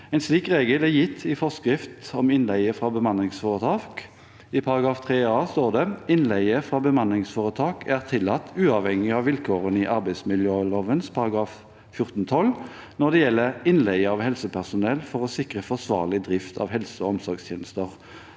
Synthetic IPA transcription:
ɛɪnsliːkʁeːɡəlæjɪt̪ʰːɪfɔskʁɾɪft̪ɔmɪnlæɪəfʁɑːbəmɑnɪŋsfɔːʁət̪ʰɑːk | ɪpʰɑɾɑɡɾɑːft̪ʰʁeːɑːst̪oːʁd̪ɛɪnlæɪəfʁɑːbəmɑnɪŋsfɔːʁət̪ʰɑːkʰæʁt̪ʰɪlɑt̪ʰːʉːɑʋhɛŋɪɑʋɪlkʰoːʁənɪʔɑɾbæɪsmɪljøːloːʋənspʰɑɾɑɡɾɑːf | fjʊʁt̪nt̪ʰɔl | nɔd̪ɛjɛlːəɪnlɛɪəɑʋhɛlsəpʰæʁsʊnɛlfɔʁɔsɪkʁəfɔʁsʋɑ̰ːʁlɪd̪ʁɪft̪ʰɑ̰ːʋɦɛlsəɔɔmsɔɾɡst̪ʰjeːnəst̪əʁ

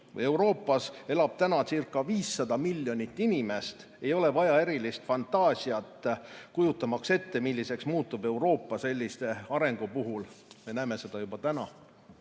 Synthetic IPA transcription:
vɤ̰je̞wɾo̞ːpːˑɑse̞lɑb̥̚t̪ænɑsirkˑːɑviːsːɑd̪̥ɑmilʲːjo̞nit̪ːinime̞st̪ | e̞jo̞le̞vɑjɑe̞ɾilist̪fɑnt̪ːˑɑːsiɑt̪ːˑkujut̪ːˑɑmɑkse̞t̪ːe̞milʲːise̞ksmuːt̪ːˑube̞wɾo̞ːpːˑɑse̞lʲːist̪e̞ɑɾe̞ŋɡ̥upuɦulme̞næːme̞se̞d̪̥ɑjub̥ɑt̪ænɑ

